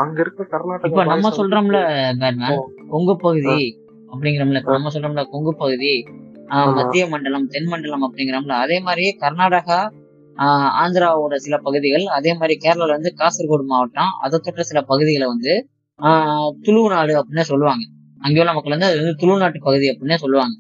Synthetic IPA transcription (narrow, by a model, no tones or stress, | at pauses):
ɐŋɡɐɪɾɯkːɯ̃kɐɾnaːʈɪpːonɐmːɐsɔlɾɐmlːɐbeːɾmaːnkɔŋɡɯpːɐɣɯði | ɐp̬ːɐɽɪŋɡɪɾɐːmlːɐɪpːonɐmːɐs̬ɔlrɾɐːmlɐkɔŋɡɯpːɐɣɯði | mɐt̪ːɪjɐmɐɳɖɐɭɐmt̪ɛnmɐɳɖɐɭɐmɐpːɐɽɪŋɡɪɾɐːmlːɐːðeːmaːd̪ɾikɐɾnaːɽɐɣɐ | aːnd̪ɪɾaːʋoːɽɐsɪlɐpɐɣɯðɪɣɐɭɐðeːmaːd̪ɾikeːɾɐlɐlʋɐnd̪ɯkaːsɐɾɣoːɽɯmaːʋɐʈːãːʔɐ̰ðɐt̪ːoːʈːɐsɪlɐpɐɣɯðɪɣɐɭʋɐnd̪ɯ | t̪ʊɻunaːɽɯɐpːɐɽɪnːesɔlːɯʋaːŋɡɐ | ɐŋɡejɐnɐmɐkːɯɭʋɐnd̪ɯɐðɯʋɐnd̪ɯt̪ʊɻɯʋnaːʈːɯpːɐɣɯðiɐpːɽɪnːesɔlːɯʋaːŋɡɐ